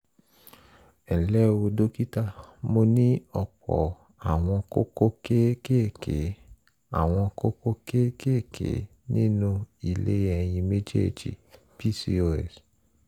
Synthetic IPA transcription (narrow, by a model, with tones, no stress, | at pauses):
ɛ˨lɛ˦˨wo˧do˦ki˦ta˦mo˧nĩ˦ɔ˨k͡pɔ̰˨ | a˨w̃ɔ̃˧ko˦ko˦ke˦ke˦˨kḛ˨˦ | a̰˦˨w̃ɔ̃˧ko˦ko˦ke˦ke˦˨kʰḛ˨˦ | nĩ˦nũ˦i˨lḛ˨˦ɛ˨j̃ĩ˧me˦d͡ʒḛ˦˨d͡ʒḭ˨ | pi˦si˦o˧ɛ̰˨s